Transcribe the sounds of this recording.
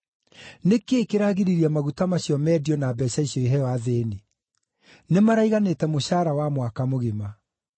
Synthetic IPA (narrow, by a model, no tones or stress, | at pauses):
nekeːkeɾaɣiɾiɾiamaɣutamaɕjɔmɛdiɔnaːbɛɕaiɕjɔiɦɛwaðeːne | nemaɾaiɣanetɛmoɕaːɾawamwakamoɣema